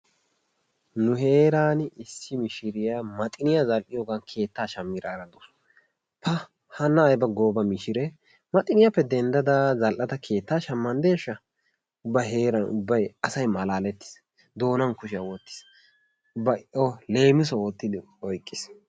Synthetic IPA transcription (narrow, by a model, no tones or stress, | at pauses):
nʊɦe̞ːɾaːnɪsːɪmɪʃɪɾɪjamɐt̪ʼɪnɪjɐzɐlʔɪjɔɡankʰe̞ːt̪ːaːʃɐmːɪɾaɾɐd̪us | pɐ | hɐnːɐːjbɐɡoːbɐmɪʃɪɾɛ | mɐt̪ʼɪnɪjɐpːɛd̪ɛnd̪ɐd̪azɐlʔɐt̪ɐkʰe̞ːt̪ːaːʃɐmːɐnd̪e̞ːʃːɐ | ʊbɐɦe̞ːɾɐnʊ̰bːɐjɐsɐjmɐlaːlɛt̪ːɪ̥s | d̪o̞ːnɐnkʊʃɪjɐwɔt̪ːɪ̥s | bɐʔɔle̞ːmɪs̬ɔwɔt̪ːɪd̪ɪ | ɔjkʼːɪs